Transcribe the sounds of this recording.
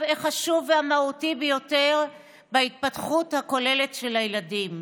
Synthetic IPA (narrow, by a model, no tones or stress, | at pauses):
veχaʃuveamautibejo̞te̞ʁ | bait̪̚patχuthako̞le̞le̞tʃe̞lhajeladim